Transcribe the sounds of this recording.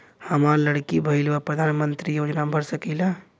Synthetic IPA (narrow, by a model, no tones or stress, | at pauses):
həmaɾləɽkibʱəɪlʋapɾəd̪ʱaːnmə̃nt̪ɾijoːd͡ʒnabʱəɾsəkila